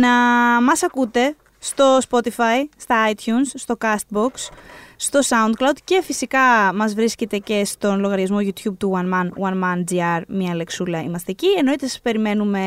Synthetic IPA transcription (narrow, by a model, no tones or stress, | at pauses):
nɐmɐsɐkut̪e̞ | st̪o̞spo̞t̪ifɐjst̪ɐɐjt̪ʰçunsːt̪o̞kɐst̪̚bo̞ksːt̪o̞sɐund̪̚klɐwd̪ce̞fisikɐmɐzvɾiscet̪e̞ce̞st̪o̞nlo̞ɣɐɾʝɐzmo̞ʝut̪çub̚t̪uwɐnmɐnwɐnmɐnd͡ziɐɾmiɐle̞ksulɐḭmɐst̪eːcie̞no̞it̪esɐ̥spe̞ɾime̞nume̞